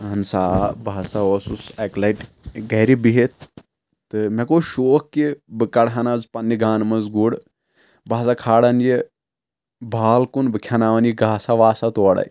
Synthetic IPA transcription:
ɦɐnsaːbʱaːsaʋɐsusɐklɐiʈ | ɡɐɾibiɦet̪̚ | t̪ɨmekoːʃoːkkibɨkɐɽɦɐnazpɐnːiɡaːnmɐzɡuɽ | baːsakʰaːɽɐnji | bʱaːlkunbɨkʰʲɐnaːʋɐnjiɡaːsaʋaːsat̪oːɽɐ̰j

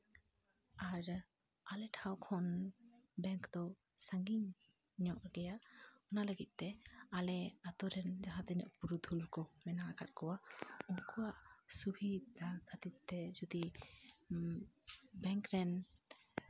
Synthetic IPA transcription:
aɾ | alɛʈʰawkʰɔnbɛŋkd̪ɔ | saŋɡiɲ | ɲɔʔɡɛjaɔnaləɡit̪̚ˀt̪ɛalɛat̪ɔɾɛnd͡ʒaɦat̪ɛɲɔʔpuɾud̪ʱulkɔmɛnaɾakʰat̪̚kɔwaunkuaʔsubʱid̪akʰat̪it̪t̪ɛd͡ʒɔd̪i | bɛŋkɾɛn

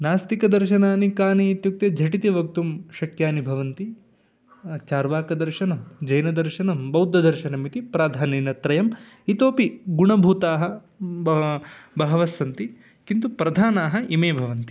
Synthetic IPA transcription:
naːst̪ikɐd̪ɐɾʃɐnaːnikaːniːt̪juk̚t̪jɐd͡ʒʱɐʈit̪iʋɐk̚t̪umʃɐkjaːnibʱɐʋɐnt̪i | t͡ʃaːɾʋaːkɐd̪ɐɾʃɐnɐmd͡ʒɐjnɐd̪ɐɾʃɐnɐmbɐwd̪ʱːɐd̪ɐɾʃɐnɐmit̪ipɾaːd̪ʱaːniːnɐt̪ɾɐjɐm | it̪oːpiɡuɳɐbʱuːt̪aːɦɐ̆ | bɐɦɐʋɐsːɐnt̪i | kint̪upɾɐd̪ʱaːnaːɦɐʔimeːbʱɐʋɐnt̪i̥

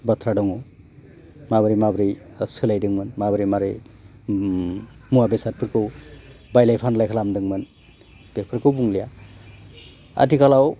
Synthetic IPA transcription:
bʌt̪ʰɾaɖɔŋo | mabəɾimabɾi | əsʰɯlajdɯŋmɯnmabɯɾimaɾɯj | muabesat̚pʰɯɾkow | bajlajpʰanlajkʰlamd̪ɯŋmɯn | b̥epʰɯɾkowbuŋlija | a̰tikʰalaw

